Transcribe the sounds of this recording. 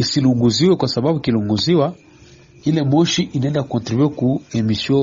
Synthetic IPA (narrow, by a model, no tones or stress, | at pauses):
isiluŋɡuziwɛkwasababukiluŋɡuziwa | ilɛmɔʃiʔinaɛ̃ndakɔ̃ntɾibuɛkuɛmisiɔ